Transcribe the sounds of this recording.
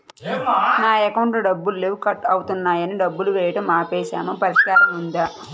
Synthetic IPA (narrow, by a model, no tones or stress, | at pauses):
naːɛkɐwɳʈlɐɖɐbːulːukɐʈːɐwut̪unːaːjɐniɖɐbːuluʋɛːjɐʈɐmaːpɛːʃaːmopɐɾiskaːɾɐmund̪a